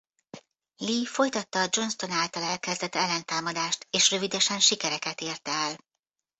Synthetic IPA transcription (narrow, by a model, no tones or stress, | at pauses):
liːfo̞jt̪ɒt̪ːɒːd͡ʒo̞nst̪o̞naːlt̪ɒlɛlkɛzd̪ɛt̪ɛlːɛnt̪aːmɒd̪aːʃt̪eːʃrø̞vid̪ɛʃɛnʃikɛɾɛkɛt̪eːrt̪ɛɛl